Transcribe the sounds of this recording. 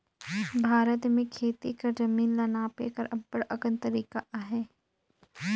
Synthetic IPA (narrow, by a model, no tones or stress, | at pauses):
bʱaːɾət̪mẽkʰeːt̪ḭkɐɾd͡ʒɐmiːnlɐnaːpḛkɐɾʔɐbːəɽɐɡə̃nt̪ɐɾiːkaʔɦɛː